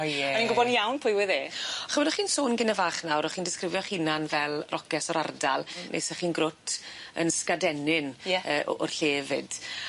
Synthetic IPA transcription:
ɔɛɔninɡʊbɔdnjawnpʰʊɨwɪðeːχəmɛdɔχiːnsoːnɡɪnəvaːχnawɾɔχiːndɪskrɪvjɔχinanvɛlˠrʔɔkɛsɔɾardalˠnʔḛsɛχiːnɡrʊtʰə̰nskadɛnɪnjɛəːʔɔ̰rɬeːvɨd̥

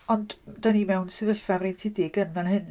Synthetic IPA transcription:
ɔndd̥animɛwnsɪvəɬvavrintʰidɪɡənvanhɨn

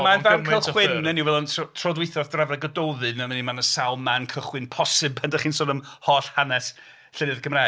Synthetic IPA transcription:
manvankəlˠχwɪnəniwvɛlˠɔntʰɔtʰrɔdwɪθɔðd̥ravraɡədowðɨnəmənimanəsawˠmankʰəχwɪnpʰɔsɨbandaχiːnsɔːnəmhɔɬhanɛs | ɬənɨðɡʰəmraː

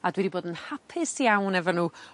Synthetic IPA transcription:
adwɛdiboːdənhapʰɪsjawnɛvɔnuː

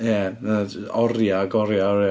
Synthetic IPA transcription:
jɛna | ɔrjaɡɔɾjaɔɾja

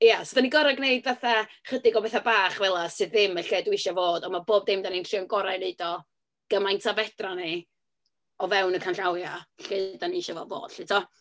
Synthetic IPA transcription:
ijasodaniɡɔɾaɡneɨdvaθaχədɪɡɔbɛθabaːχvɛlˠasɨðɪməɬeːdwiʃavoːdɔmaboːb̚dɪmdanintʰr̥iɔnɡɔɾaɨneɨdɔ | ɡ̥əmajntʰavɛdrani | ɔvɛwnəkʰanɬawjaɬeːdaniiʃavo̰ːdvo̰ːd̥ɬɪtʰɔ

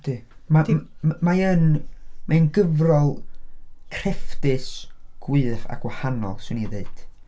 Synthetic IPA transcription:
d̥ɨmamaənmʔaɨnɡəvrɔlˠ | kʰr̥ɛfdɨsɡ̥wɨːθa̰ɡ̥wahanɔ̰lˠswɪniðeɨd̥

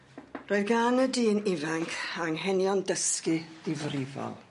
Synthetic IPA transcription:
roːɨðɡanədiːnɪvaŋkʰaŋɦɛnjɔndəskid̥ɪvriva̰lˠ

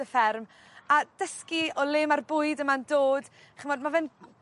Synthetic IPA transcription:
əfɛrm | ad̥əskiɔlˠɪːmarbʊːɨdəmandoːd | χənvɔdmavɛn

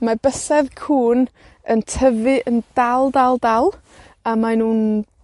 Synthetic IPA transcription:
mabəsɛðkʰuːn | əntʰəvɨʔəndalˠdalˠdalˠ | amanuːn

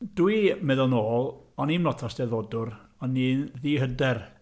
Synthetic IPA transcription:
dwimɛðɔlnoːlˠɔninmlɔtʰɔsd̥ɛðodʊr | ɔniːnðiːɦədɛr

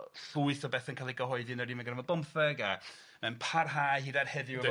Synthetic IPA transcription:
ɬuɨθɔbɛθənkʰaːlˠiɡəɦɔɨdɪnəɾimənɡrɛvɔdɔmfɛɡa | mɛnpʰarɦaːjhiːdarhɛdɪ

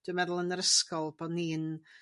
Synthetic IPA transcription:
d̥ʊəmɛðʊlˠənəɾəskɔlˠbɔniːn

